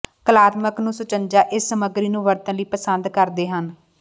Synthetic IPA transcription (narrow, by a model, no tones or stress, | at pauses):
kəlaːt̪məknũːsʊt͡ʃənd͡ʒaːʔɪsːəməɡɾiːnũːʋəɾt̪ə̃nliːpəsənd̪kəɾd̪eːɦən